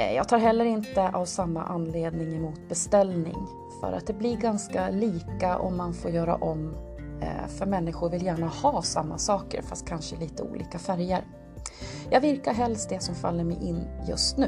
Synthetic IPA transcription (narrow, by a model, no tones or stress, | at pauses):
jɑːɡ̚t̪ʰɑːɾɦɛlːəɾɪnt̪əʔavsamːa̰ʔanːleːd̪nɪŋɛmuːt̪̚bɛst̪ɛlnɪ̰ŋ | fœ̰ɾa̰t̪̚d̪ɛblɪɾɡanskaliːkaʔɔ̰mːanfoːɾjœːɾa̰ʔɔmː | fœɾmɛnːɪɧʊɾvɪljæːɳahɑːsamːasɑːkə̰ɾfast̪̚kʰanʂəliːt̪əṵːlḭːkafæɾjəɾ | jɑ̰ːɡvɪɾkaɾɦɛlst̪̚d̪ɛsɔmfa̰lːəɾmɛjʔɪnːjɵ̰st̪nʉ̟ː